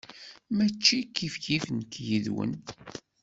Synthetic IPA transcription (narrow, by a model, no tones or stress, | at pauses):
mæt͡ʃːikːifçifnkjiðwə̰n